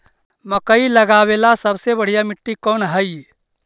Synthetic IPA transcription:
məkəiləɡaːwelasəbsebəɽ̤ijamɪʈːikɔːnɦəij

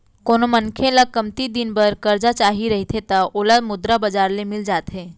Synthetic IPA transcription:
koːnomənkʰelakəmt̪id̪ɪnbəɾkɐɾd͡ʒat͡ʃaːɦiɾɐɦit̪ʰet̪aoːlamʊd̪ɾabɐd͡ʒaːɾlemɪld͡ʒaːt̪ɦeː

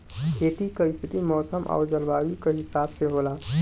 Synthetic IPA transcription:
kʰeːt̪ikeɪst̪ʰit̪imɔːsəmʔɔ̰ːɾd͡ʒəlbaːwikeɦɪsaːbseɦola

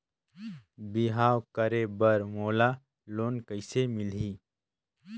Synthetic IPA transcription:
bɪɦaːwkəɾebəɾmoːla | loːnkəɪsemɪliː

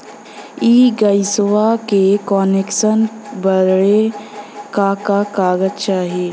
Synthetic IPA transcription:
iːɡəɪswakekɔːnekʃən | bəɾɽe | kakakaːɡətt͡ʃaɦeː

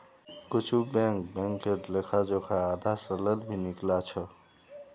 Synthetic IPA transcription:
kʊt͡ʃʰubɛ̃ŋkbɛ̃ŋkːeʈlekʰad͡ʒokʰaaːd̪asələlbʱiniklat͡ʃʰə

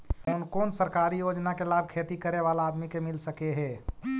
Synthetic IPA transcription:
onkoːnsəɾkaɾijod͡ʒnakelabkʰet̪ikəɾeβalaːd̪mikemilsəkeɦɛ

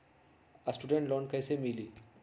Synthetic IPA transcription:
asʈuɖeɳʈlɔɳkəjsemiliː

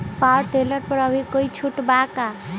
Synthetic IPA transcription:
paɾʈ̪eləɾpəɾəbʱikoit͡ʃʰuʈbaka

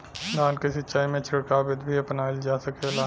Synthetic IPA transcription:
laːnkeʃɪtːʃʰaːimẽt͡ʃʰɪɽkabɪt̪bʱiɐpnaːld͡ʒaːsɐkelaː

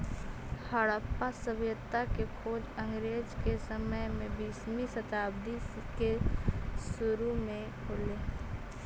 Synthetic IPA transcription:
haɽaːpːasəbjət̪ːakekʰoːd͡ʒə̃ŋɡɾeːd͡ʒkesəməjmẽbiːsmisət̪aːb̚d̪ike | sʊɾumẽ | koːleː

